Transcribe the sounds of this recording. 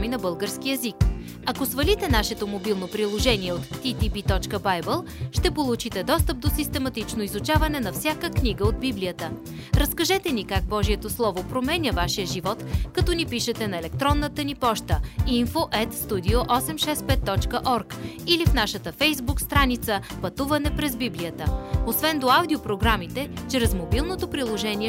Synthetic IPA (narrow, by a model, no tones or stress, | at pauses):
minɐbɤlˠɡəɾsk̟iɛzik | ɐkosvɐlit̪ɛnaʃɛt̪omobilˠnopɾilˠoʒɛniɛot̪ːit̪ipit̪ɔt͡ʃkəbajbɛlˠ | ʃt̪ɛpolˠut͡ʃit̪ɛd̪ɔst̪əp̚d̪osist̪ɛmɐt̪it͡ʃnoizut͡ʃavɐnɛnɐfsʲakəkniɡəod̪̚biblijət̪ə | ɾɐskɐʒɛt̪ɛnikaɡ̚bɔʒiɛt̪oslˠɔvopɾomɛnʲəvaʃijəʒivɔt̪kɐt̪ɔnipiʃɛt̪ɛnɐɛlɛk̚t̪ɾɔnːət̪ənipɔʃt̪əinfoʔɛt̪st̪ud̪ioʔɔsɛmʃɛspɛt̪ːɔt͡ʃkəʔɔɾkilifnaʃət̪əfɛjzbukst̪ɾanit̪səpɐt̪uvɐnɛpɾɛzbiblijət̪əosvɛnd̪oawd̪iopɾoɡɾamit̪ɛt͡ʃɾɛzmobilˠnot̪opɾilˠoʒɛniɛ